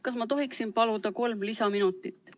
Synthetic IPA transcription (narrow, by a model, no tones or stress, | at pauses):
kɑsmɑt̪o̞ɦiksinpɑlud̪̥ɑko̞lmlisɑminut̪ːˑit̪ːˑ